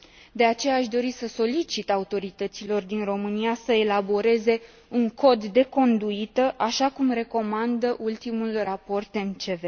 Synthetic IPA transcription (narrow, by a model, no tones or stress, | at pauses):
d̪e̞at͡ʃe̞jaːʃd̪o̞ɾisəso̞lit͡ʃit̪aut̪o̞ɾit̪ət̪silo̞rd̪inro̞mɨniasəe̞labo̞ɾe̞ze̞ | uŋko̞d̪ːe̞ko̞nd̪uit̪əʔaʃakumre̞ko̞mand̪əʔult̪imulrapo̞rt̪e̞mt͡ʃe̞ve